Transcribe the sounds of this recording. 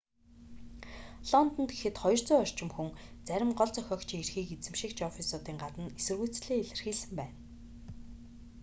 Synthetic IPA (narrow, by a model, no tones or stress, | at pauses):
ɮɔnt̪ɞ̆nt̪ɡexɘ̆t̪χɔj̆r̥t͡sʊːjɔr̥t͡ɕɪ̆mxuŋt͡sæɾʲɪ̆mɢɔɮt͡sœxʲɔːkt͡ɕʰierxiːkit͡sɘ̆mʃĭkt͡ɕɔfisɔːt̪iːŋɢat̪ə̆nesɘ̆rɣujʰt͡sɮeːeɮɘ̆rxiːsɘ̆mpæːn